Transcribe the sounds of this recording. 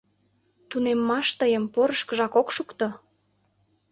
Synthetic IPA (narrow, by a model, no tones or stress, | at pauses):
t̪unemːɑʃt̪əjəmpoɾəʃkəʒɑkokʃukt̪o